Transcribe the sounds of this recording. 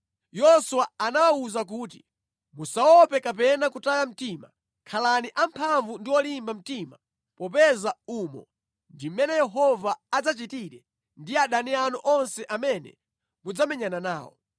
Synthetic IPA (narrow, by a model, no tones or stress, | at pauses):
jɔsuwaanawauzak̬uːt̬i̥ | musaɔpɛkap̬ɛnakutajam̩tima | kʰalaniʔampʰaɱvundiwɔlimbam̩tima | pɔp̬ɛzaumɔ̰ | ndimɛnɛjɛɦɔvaːd͡zat͡ʃitiɾɛ | ndiaɗanianɔʔɔnsɛʔamɛnɛ̰ | mud͡zamɛɲananaːwɔ̰